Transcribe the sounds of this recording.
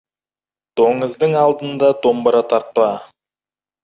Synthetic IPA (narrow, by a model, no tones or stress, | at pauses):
d̪̥oŋəzd̪əɴɑlˠd̪ənd̪ɑd̪o̞mbəɾɑt̪ʰɑɾt̪̚pɑ